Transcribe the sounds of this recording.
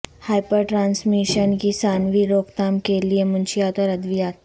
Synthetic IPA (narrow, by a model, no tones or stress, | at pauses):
hajpəɾʈɾansmiɕənkisanʋiːɾokt̪amkeliemunɕiat̪oɾəd̪ʋijat̪